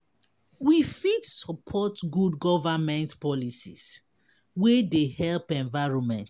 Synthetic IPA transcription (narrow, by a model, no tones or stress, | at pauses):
wifidsɔpʰɔtɡudɡɔvamɛ̃ntpɔlisḭs | wedehɛlpɛ̃ɱvaɪɹɔ̃nmɛ̃nt